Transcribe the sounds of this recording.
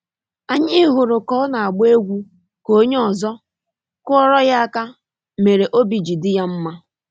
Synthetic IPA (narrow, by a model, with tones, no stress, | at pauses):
a˨ɲɪ˦ɦʊ˨ɾʊ˨kɔ˦na˨a˨ɡ͡be˦ɡʷu˦ | ko˦ɲe˦ɔ˨zɔ˦ | kʊ˦ɔ˦ɾɔ˦ja˦ka˦ | me˨ɾe˨ʔo˦bi˨d͡ʒi˨dɪ˦ja˦m̩˦ma˦